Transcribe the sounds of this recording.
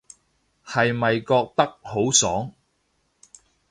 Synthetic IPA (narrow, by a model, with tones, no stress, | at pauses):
hɐ˨jmɐ˨jkɔː˧k̚t̪ɐ˥k̚ho˨˥wsɔː˨˥ŋ